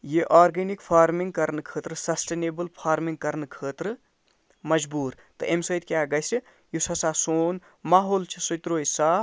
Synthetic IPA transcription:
jeʔaːɾɡenikpʰaːɾmiŋɡ̚kɐɾnkʰəːt̪ɾɨsɐsʈeːneːbɨlpʰaːɾmiŋɡ̚kɐɾnkʰəːt̪ɾɨ | mɐd͡ʒbuːɾ | t̪ɐ̰ʔemsɐjt̪̚kʲjaːɡɐjsi | jusɐsaːsoːn | maːɦoːlt͡ʃʰisujt̪ɾoːjsaː

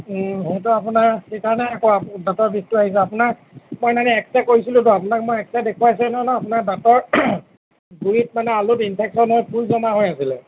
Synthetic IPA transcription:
ɦejtʊap̬unaɹxejkaɹɔnɛːkɔadatɔɹbistuaɦis̬ɛapʊnaɹ | mojnanɛɛksakoɹisilʊ̃tʊapʊnakmojɛksadekʰuasilʊnɔnɔapʊnakdatɔɹ | ɡujit̚manɛalʊtinpʰɛksɔnɦojpujzɔmaɦojasilɛ

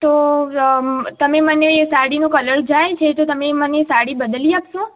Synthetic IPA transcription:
t̪o | t̪əmeməneːsaɽinũkələɾd͡ʒajt͡ʃʰet̪ot̪əmemənesaɽibəd̪əliapʃũ

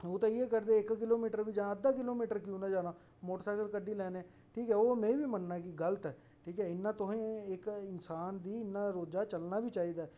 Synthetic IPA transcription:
oːt̪ãːɪeːkəɾd̪eːɪkkɪloːmiːʈəɾʋiːd͡ʒãːəd̪aːkɪloːmiːʈəɾkiũːnãːd͡ʒaːnaː | moːʈəɾsaːjkəlkəɖiːlɛːnɛ̃ː | ʈʰiːkɛːoːmɛ̃ːʋiːmənnaːk̬iɡələt̪ɛː | ʈʰiːkɛːɪnːãːt̪ʊɦẽːɪkɪnsaːnd̪iːɪnːãːɾoːd͡ʒaːt͡ʃəlnaːbiːt͡ʃaːiːd̪aːɛ

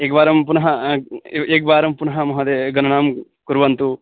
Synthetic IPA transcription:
eːɡʋaːɾɐmpunɐɦɐ | eːɡ̚baːɾɐmpunɐɦɐmɐɦɐd̪eːɡɐnɐɳaːm | kuɾʋɐnt̪u

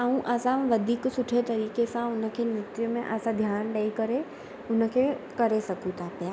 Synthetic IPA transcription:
əɦũʔɐsãʋɐd̪ʱiːksʊʈʰet̪ɐɾiːkesãʊnəkʰenɾɪt̪jəmẽʔəsãd̪ʱjaːnɖɐikɐɾe | ʊn̆kʰekɐɾesɐkʰũt̪ʰapja

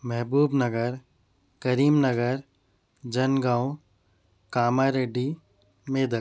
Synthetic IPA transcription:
mɛɦbuːbnɐɡəɾ | kɐɾiːmnɐɡəɾ | d͡ʒɐnɡãːõ | kaːmaːɾeːɖi | meːd̪ə

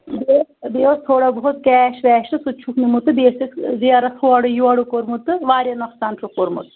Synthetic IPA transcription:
b̪ebeːɐst̪ʰoːɽabɔɦot̪kɛːʃʋɛːʃʈɨsut͡ʃʰuknimut̪ːɨbeːsikziɐɾɐsʰuɐɽujuɐɽukoɾmut̪ːɨʋaːɾjɐnɐksaːnʃʰukoɾmṵt̪

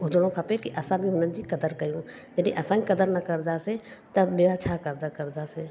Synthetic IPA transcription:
ʊd̪ɽ̃õkʰɐpekiʔɐsãbʱiɦʊnənd͡ʒikɐd̪əɾkɐjũːd͡ʒɐniʔɐsãːikɐd̪əɾnɐkɐɾd̪aːset̪ɐbeʋat͡ʃʰakɐɾd̪akɐɾd̪ase

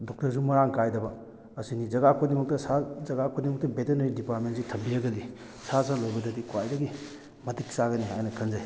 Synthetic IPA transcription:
dɔk̚tɐɾsumɐɾaŋkajdɐbɐː | sinizɐɡakʰodimɐk̚tɐsazɐɡakʰodimɐk̚tɐbetenɐɾidipat̚mentsitʰɐmbiɐɡɐli | sasalojbɐdɐdikwajdɐɡi | mɐtiksaɡɐnia̰jnɐkʰɐnzaj

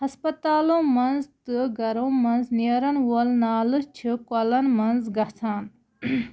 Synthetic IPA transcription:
hɐspɐt̪aːlõːmɐnzt̪ɨɡɐɾõːmɐnzniɐɾɐnwolnaːlɨt͡ʃʰɨkɔlɐnmɐnzɡɐt̪ʰaːn

